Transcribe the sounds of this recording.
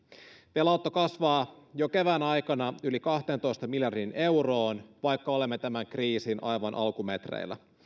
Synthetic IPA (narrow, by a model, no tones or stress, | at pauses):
ʋielɑwt̪ːokɑsʋɑːjokeʋæːnɑjkɑnɑylikɑht̪ent̪o̞jst̪ɑmiljɑrdine̞wro̞ːnʋɑjkːɑo̞lemːet̪æmæŋkriːsinʔɑjʋɑnʔɑ̰lkumet̪rḛilːˑæ̰